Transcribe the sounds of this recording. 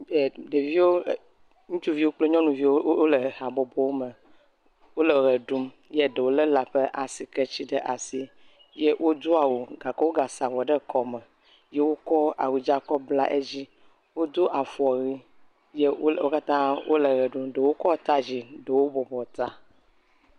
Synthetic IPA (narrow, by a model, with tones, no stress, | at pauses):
ɖe˨vi˦wo˦˨ | ŋũ˦t͡ʃu˦vi˦wo˦k͡ple˦ɲɔ̃˦nũ˨vi˦wo˦o˦le˨a˨bɔ˨bɔ˦wo˦mə˨ | wo˦le˨ɣe˨ɖu˦m | je˦ɖe˨wo˦lə˦la˨ɸə˦ʔa˨si˨ke˦t͡ɕi˦ɖə˦ʔa˨si˦ | je˦wʔo˦d̪o˦a˨wo˨ɡa˨kɛ˦wo˦ɡa˨sa˨vɔ˨ɖə˦kɔ˨mɛ˨ | je˦wo˦kɔ˦a̰˨wi˨d͡ʒa˦kɔ˦bla˦ʔe˦d͡ʑi˦ | wo˦d̪o˦ʔa˨fɔ˨ɣi˦ | je˦o˦o˦ka˦t̪ã˦wo̰˦le˨ɣɛ˨ɖu˦mɖə˨wo˦kɔ˦t̪a˦d͡ʑi˨ɖe˨wo˦bɔ˨bɔ˨t̪a˦